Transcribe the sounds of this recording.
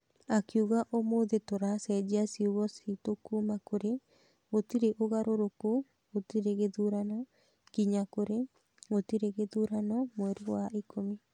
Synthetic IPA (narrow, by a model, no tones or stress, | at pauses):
akiuɣaʔomoðetoɾasɛd͡ʒiasiuβɔsitokumakoɾe | otiɾeʔoɣaɾoɾoko | otiɾeɣeðuɾanɔ | ɡiɲakoɾe | ɣotiɾeɣeðuɾanɔmwɛɾewaikomi